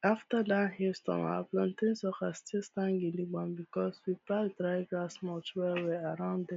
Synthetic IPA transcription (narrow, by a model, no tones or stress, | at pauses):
aftadahistɔ̰̃ma̰plɔ̃ntẽnsɔkastestãŋɡiliɡ͡bãnbikɔswipadɾaɪɡlasmɔtwɛweaɾãʊ̃ndɛ